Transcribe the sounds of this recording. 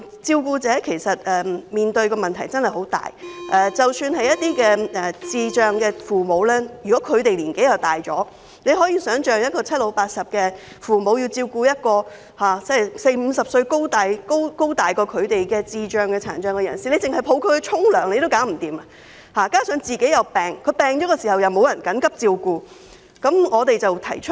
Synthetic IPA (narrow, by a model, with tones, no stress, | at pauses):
t͡siː˧wkuː˧t͡sɛː˨˥kʰe˨˩jsɐ˨t̚ɛ˨miː˨nt̪ɵ˧ɥkɔː˧mɐ˨nt̪ʰɐ˨˩jt͡sɐ˥nhɐ˨jɦo˨˥wt̪a̰ː˨jʔɛː˨t͡sɐ˨wsyː˧nhɐ˨jɐ˥t̪̚iː˥kɛː˧ɛ˨t͡siː˨t͡ʃœː˨ŋkɛː˧fuː˨˩mo˨˧wlɛː˥jyː˨˩kɔː˨˦˥kʰɵ˨˧ɥt̪e˨jliː˨˩nke˨˥jɐ˨wt̪aː˨jt͡ʃɔː˨˥ | ne˨˧jhɔː˨˥jiː˧sœː˨˥ŋt͡ʃœː˨ŋjɐ˥t̚kɔː˧t͡sʰɐ˥t̚lo˨˧wpaː˧t̚sɐ˨p̚kɛː˧ | fuː˨mo˨˧wji˧wt͡siː˧wkuː˧jɐ˥t̚kɔː˧ | haː˨˩t͡sɛ˥˩jse˧jm̩ː˨˧sɐ˨p̚sɵ˧ɥko˥wt̪aː˨jko˥wko˥wt̪aː˨jkɔː˧kʰɵ˨˧ɥt̪e˨jkɛː˧t͡siː˧t͡ʃœː˨ŋkɛː˧t͡sʰa̰ː˨˩nt͡ʃœː˨˧ŋkɛ˧jɐ̰˨˩nsiː˨˩le˨˧jt͡sɪ˨ŋhɐ˨˩jpʰo˨˧wkʰɵ˧ɛ˧t͡ʃʰʊ˥ŋlœː˨˩ŋne˧t̪o˥wkaː˨˥ŋm̩˨˩t̪iː˨ma˧˩ | haː˨kaː˥sœː˨˥ŋt͡siː˨˩ke˨˥jɐ˨˧wpɛː˨˩ŋkʰɵ˨˧˥pɛː˨˩ŋt͡ʃɔː˨˥kɛː˧siː˨˩hɐ˨˩wjɐ˨wmo˨˧wjɐ˨˩nkɐ˨˥nkɐ˥p̚t͡siː˧wkuː˧ | kɐ˨˥mŋɔː˨˧t̪e˨jt͡sɐ˨wt̪ʰɐ˨˩jt͡ʃʰɵ˥t̚